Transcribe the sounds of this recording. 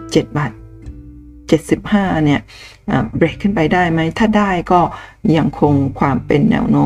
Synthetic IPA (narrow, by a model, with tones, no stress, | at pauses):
t͡ɕe˨˩t̪̚baː˨˩t̪̚ | t͡ɕe˨˩t̪̚si˨˩p̚haː˥˩ni˥˩ɐ | ʔaː˨˩bɾeː˨˩kʰːɯ˥˩npa˧jdaː˥˩jma˦˥jt̪ʰaː˥˩daː˥˩jkɔː˥˩ja˧ŋkʰo˧ŋkʰwaː˧mpe˧nːɛ̰ː˧wnoː˦˥